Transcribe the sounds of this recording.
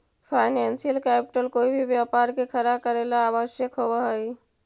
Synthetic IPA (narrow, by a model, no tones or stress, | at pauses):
pʰaɪnensijəlkɛpi̥ʈəlkoibʱibjapaɾkekʰəɾakəɾelaːβəʃjəkɦobəɦəj